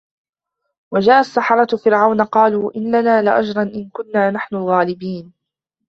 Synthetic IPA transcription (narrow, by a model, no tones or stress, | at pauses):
wad͡ʒaːʔasːɑħɑɾˤɑt̪fɪɾʕawnaqɑːluːʔɪnːanaːlɪʔad͡ʒɾˤɑnʔɪnkʊnːaːnaħnʊlɣaːlɪbiːn